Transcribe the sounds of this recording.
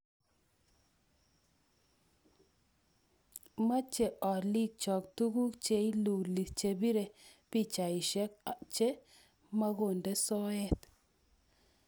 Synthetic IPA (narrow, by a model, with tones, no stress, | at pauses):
ma˦t͡ʃe˨ʔɔ˨li˦k̚t͡ʃɔ˨kt̪u˦ɡu˦t͡ʃe˨˦i˦lu˨li˨t͡ʃe˨bi˦ɾe˨pi˦t͡ʃa˨i˨ʃɛ˦kt͡ʃe˦ | ma˦ɣo˨nde˦sɔ˦ɛ˦t̪